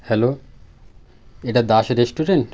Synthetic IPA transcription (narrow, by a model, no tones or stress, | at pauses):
hɛlo | eʈad̪aʃeɾesʈuɖeɳʈ